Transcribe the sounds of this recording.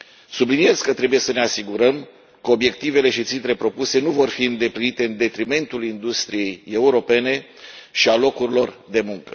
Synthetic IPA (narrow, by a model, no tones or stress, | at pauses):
sublinije̞zkət̪ɾe̞buje̞səne̞asiɡuɾəm | kəo̞bje̞k̚t̪ive̞le̞ʃit̪sint̪ɾe̞pɾo̞puse̞nuvo̞rfiɨnd̪e̞plinit̪e̞ɨnd̪e̞t̪ɾime̞nt̪ulind̪ust̪ɾije̞je̞uɾo̞pe̞ne̞ | ʃialo̞kuɾilo̞rd̪e̞muŋkə